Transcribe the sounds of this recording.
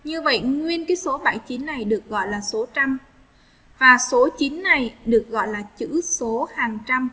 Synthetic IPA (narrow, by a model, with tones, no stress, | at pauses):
ɲɨ˧və̰˧˨jŋwi˧ənkaː˨˦jso˨˦ɓaː˧˩jt͡ɕi˨˦nːa˨˩jɗɨ˨˩ək̚ɣɔ̰˧˨jlaː˨˩so˨˦t͡ɕa˧m | vaː˨˩so˨˦t͡ɕi˨˦nːa˨˩jɗɨ˨˩ək̚ɣɔ̰˧˨jlaː˨˩t͡ɕɨ̰˧˥so˨˦haː˨˩ŋt͡ɕa˧m